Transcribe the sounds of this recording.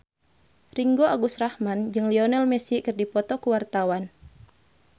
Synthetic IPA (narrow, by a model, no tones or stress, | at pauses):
riŋɡoʔaɡusrahmand͡ʒɨŋliɔnɛlmɛsikɨrdipɔt̪ɔkuwart̪awan